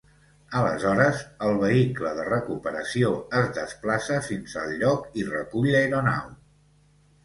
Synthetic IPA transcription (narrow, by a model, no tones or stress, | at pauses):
ələ̰zɔɾəzəlˠβəikləðərəkupəɾəsioəzðəsplasəfinsəlʎːɔkirə̰kuʎəjɾuna̰w